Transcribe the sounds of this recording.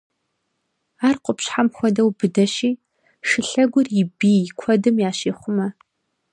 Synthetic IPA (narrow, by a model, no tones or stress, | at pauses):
aːrqʷʊpɕħamxʷɔdɐwbɨdɐɕiː | ʂɨɬɐɡʷʊrjɪbiːkʷʰɔdɨmjaːɕeːχʷʊmɐ